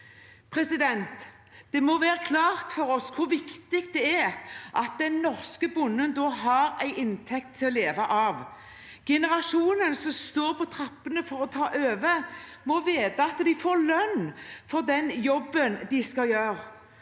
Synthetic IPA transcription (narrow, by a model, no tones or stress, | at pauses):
pʰɾɛsɪd̪ɛnt̪ | d̪̥ɛmɔʋæːʁəkʰlɑːʁt̪fɔɾɔskʰʊɾʋɪkt̪ɪk̪d̪ɛæʔɑt̪̚d̪ɛnːɔʁskəbʊnːənd̪ɔːɦɑɾæɪʔɪnt̪ʰɛk̚t̪ʰːɪlɔleːʋɑʔɑʋ | ɡ̥ɛnəɾɑʂuːnənsɔmst̪oːɾpʰɔt̪ʰɾɑpːənəfɔɾɔt̪ʰɑːʔøːʋə | mɔʋeːd̪əɑt̪d̪ɪfoːɾlœnːfɔʁd̪ɛnjɔbːənd̪ɪskɑljøːɾ